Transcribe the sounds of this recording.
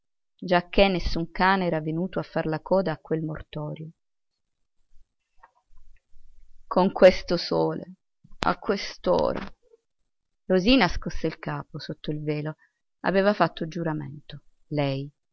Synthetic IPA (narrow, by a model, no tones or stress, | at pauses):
d͡ʒak̟ːenːesːuŋkaːnɛːɾavenuːt̪oafːarlakʰɔːd̪aːkːwelmo̰rt̪ɔːɾjo | kʰoŋkwest̪osoːlḛ | a̰kːwest̪o̰ːɾa̰ | roziːnaskoseilkaːposot̪ːoilveːlo | a̰veːvafat̪ːod͡ʒuɾamḛnt̪o | lɛj